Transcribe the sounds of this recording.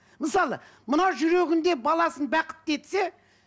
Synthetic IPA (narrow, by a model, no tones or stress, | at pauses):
məsɑlˠə | mənɑʒʏɾe̞ɡʲɪnd̪e̞bɑlˠɑsənbæqə̥t̪̚ːe̞t̪se